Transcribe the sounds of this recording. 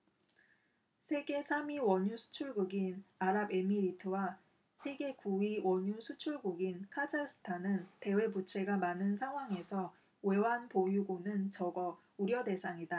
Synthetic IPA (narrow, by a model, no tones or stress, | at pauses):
sʰe̞ɡe̞sʰamiwʌɲusʰu̥t͡ɕʰuɭɡuɡinaɾabe̞miɾitʰɯwa | sʰe̞ɡe̞kuiwʌɲusʰut͡ɕʰuɭɡuɡinkʰad͡ʑasʰɯ̥tʰanɯnte̞we̞but͡ɕʰe̞ɡamanɯns̬ʰaŋɦwaŋe̞sʰʌ | we̞wanpojuɡonɯnt͡ɕʌɡʌ | uɾjʌde̞sʰaŋida